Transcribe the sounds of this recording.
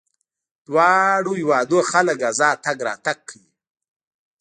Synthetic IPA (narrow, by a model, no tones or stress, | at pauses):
d̪̥wɑːɽujɪwɑːd̪oxaləɡazɑːt̪aɡɾɑ̰ːt̪aɡ̚ʰəwi